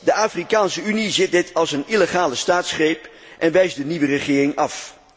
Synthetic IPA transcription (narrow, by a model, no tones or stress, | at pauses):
dəaːfrikaːnsəynizɪt̚dɪtʰɑlˠsəniləχaːləstaːtsχrejp | ʔɛnʋɛjzdəniʋərəχɪːrɪŋɑf